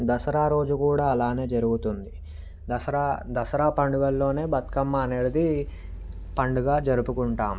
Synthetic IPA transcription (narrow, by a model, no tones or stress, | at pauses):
d̪ɐsɐɾaːɾo̞ːd͡ʒukuːɽaːɐlaːne̞ːd͡ʒɐɾuɡut̪und̪i | ɐsɐɾaːd̪ɐsɐɾaːpɐɳɖuɡɐlːo̞ːne̞ːbɐt̪kɐmːɐːneɽɐd̪i | pɐɳɖuɡaːd͡ʒɐɾupukuɳʈaːm